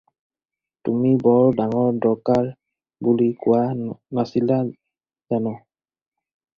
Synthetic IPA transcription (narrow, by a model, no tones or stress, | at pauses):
tumibɔɹdaŋɔɹdɔɹkaɹ | bulikʊwanasila | zanɔ